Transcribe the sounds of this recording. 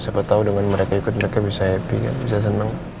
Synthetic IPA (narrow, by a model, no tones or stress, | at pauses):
sapat̪audəŋanməɾekaikʊt̪̚məɾekabisaɦɛpḭka̰nbis̬as̬ənaŋ